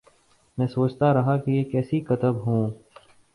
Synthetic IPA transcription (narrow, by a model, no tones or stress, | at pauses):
mɛ̃ːsoːt͡ʃt̪aɾɐɦakejeːkɛːsikɐt̪əbɦũː